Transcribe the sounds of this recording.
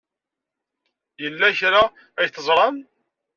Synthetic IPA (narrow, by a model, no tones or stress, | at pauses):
jəlːæçɾa | æjθəzˤɾˤɑm